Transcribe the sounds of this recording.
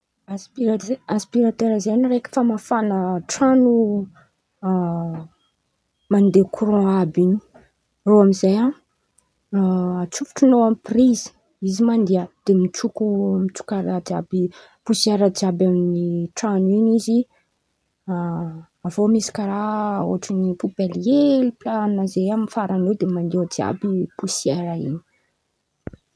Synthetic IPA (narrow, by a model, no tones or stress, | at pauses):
aspiaspiɾat̪eɾəzenirekə̥fəmafanəʈ͡ʂanu | mand̪ekʰuɾɔ̃abini̥ | roamizajã | at͡sufu̥ʈ͡ʂunoamprizi̥ | izimand̪iad̪̥emit͡ʃukumit͡su̥kaɾad͡ʒa̰bi | pusieɾad͡ʒiabamniʈ͡ʂanuinizi | avomisi̥kaɾao̰aʈ͡ʂinipupelieliplannazejamifaɾanod̪emand̪iod͡ʒia̰bipusieɾaḭni̥